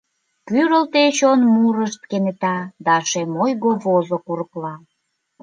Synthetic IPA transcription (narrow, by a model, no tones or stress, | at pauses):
kyɾəlt̪et͡ɕonmuɾəʃt̪̚kenet̪ɑd̪ɑʃemojɣoβozokuɾəklɑ